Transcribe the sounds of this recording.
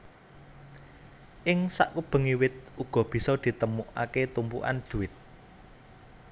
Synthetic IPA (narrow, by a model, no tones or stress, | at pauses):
ʔɪŋsa̰ʔkub̥ə̤ŋiwɪt̪̚uɡ̥ɔ̤b̥i̤sɔd̪̥i̤t̪əmuʔa̰ket̪umpṵʔa̰nd̪̥ṳɪt̪̚